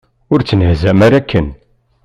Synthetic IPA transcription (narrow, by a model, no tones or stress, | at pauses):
ʊɾt͡sːənhzæmæɾækːən